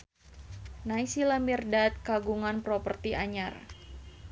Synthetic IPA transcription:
naisilamirdat̪̚kaɡuŋanpɾɔpərt̪iʔaɲar

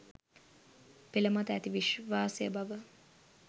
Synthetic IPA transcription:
peləmat̪æt̪iʋiʃʋaːsejəbaʋə

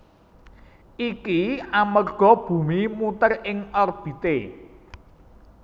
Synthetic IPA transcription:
ʔikiamərɡ̥ɔ̤b̥ṳmimut̪ərɪŋɔrb̥i̤t̪e

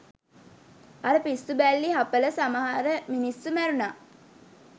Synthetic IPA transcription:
aɾəpisːubælːiɦapələsaməɦaɾəminisːumæɾunaː

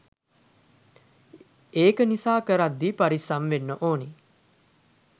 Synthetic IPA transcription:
eːkənisaːkəɾad̪ːipaɾisamʋenːəʔoːni

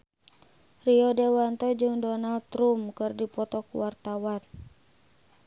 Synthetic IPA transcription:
riɔdewant̪ɔd͡ʒɨŋdɔnalt̪ɾumkɨrdipɔt̪ɔkṵwart̪awan

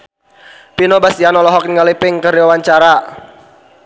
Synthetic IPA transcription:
pinobasianɔlɔɦɔk̚niŋəlipɪŋkərɾiwawaɲt͡ʃaɾa

